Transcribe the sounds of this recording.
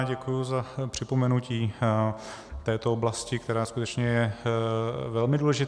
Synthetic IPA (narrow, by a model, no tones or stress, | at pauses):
ɟɛkujuzapr̝̥ɪpo̞mɛnuciː | t̪ɛːt̪ooblascɪk̚t̪ɛɾaːskut̪ɛt͡ʃɲɛjɛ | vɛlmɪduːlɛʒɪt̪